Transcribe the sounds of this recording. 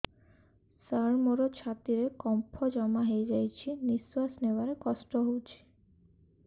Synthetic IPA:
saɾmoɾot͡ʃʰat̪iɾekɔmpʰɔd͡ʒɔmaɦejd͡ʒajt͡ʃʰiniswasnewaɾekɔsʈɔɦowt͡ʃʰi̥

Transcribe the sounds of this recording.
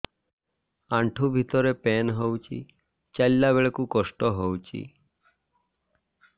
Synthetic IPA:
aɳʈʰubʱit̪ɔɾepenɦowt͡ʃʰḭ | t͡ʃalːabeɭekukɔsʈɔɦowt͡ʃḭ

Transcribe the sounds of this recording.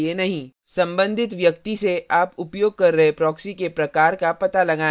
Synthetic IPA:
enɐɦĩ | sɐ̃mbə̃nd̪ʱɪt̪ʋjɐk̚t̪iseaːpʊpjoːɡ̚kɐɾːɐɦepɾɔːksikepɾɐkaːɾkapɐt̪alɐɡaː

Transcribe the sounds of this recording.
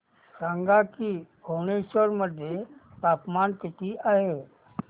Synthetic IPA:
sãŋɡakiɡʱoːñeʃəɾməd̪ʱjet̪aːpmaːnkɪt̪iʔaːɦeː

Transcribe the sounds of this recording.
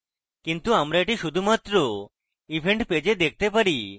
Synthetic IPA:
kint̪uamɾaeʈiʃud̪ʱumat̪ɾo | ibʱeɳʈped͡ʑed̪ekʰt̪epaɾi

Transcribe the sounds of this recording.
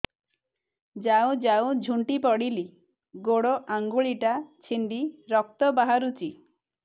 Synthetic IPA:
d͡ʒawd͡ʒawd͡ʒʱuɳʈipɔɽili | ɡoɽoʔaŋɡuɭiʈat͡ʃʰinɖ̪iɾɔk̚t̪ɔbaɦaɾut͡ʃi

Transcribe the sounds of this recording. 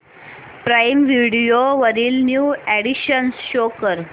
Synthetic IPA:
pɾajmʋiɽijoʋəɾiːlnjuːæɽiɕənsɕokəɾ

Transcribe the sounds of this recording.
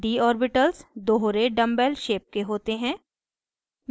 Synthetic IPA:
d̪iɔːɾbɪʈəlsd̪oːɦɾeɖɐ̃mbɛlʃeːp̚keɦoːt̪eɦɛ̃ː | m

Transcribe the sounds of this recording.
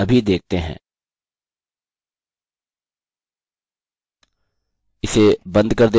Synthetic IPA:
ɐbʱid̪eːk̚ʰt̪eɦɛ̰̃ː | ɪsebɐ̃nd̪kɐɾd̪e

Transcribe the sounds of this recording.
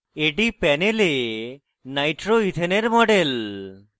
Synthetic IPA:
eʈipɛnele | najʈɾoit̪ʰeneɾmɔɖel

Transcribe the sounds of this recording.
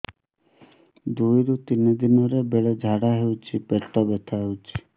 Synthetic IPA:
d̪ujɾut̪inid̪inɔɾebeɭed͡ʒʱaɽaɦewt͡ʃʰipeʈɔbet̪ʰaɦewt͡ʃʰi̥

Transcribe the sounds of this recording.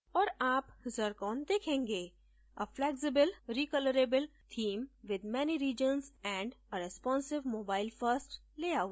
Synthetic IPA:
ɔːɾaːpzəɾkɔ̃ːnd̪eːkʰẽːŋɡeː | əflɛksɪbəlɾiːkələɾebəlt̪ʰĩːmʋɪd̪mɛniɾiːd͡ʒə̃nzɛ̃ːɳɖəɾɛspɔ̃ːnsɪʋmoːbaːɪlfəɾsʈ | leːaʊ

